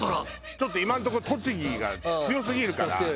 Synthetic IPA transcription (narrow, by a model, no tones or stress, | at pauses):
t͡ɕo̞t̪ːoimãnt̪okot̪o̞t͡ɕiɡʲiɡa̰t͡st͡sɨjo̞s̬ɨɡʲiɾɯ̟kaɾa̰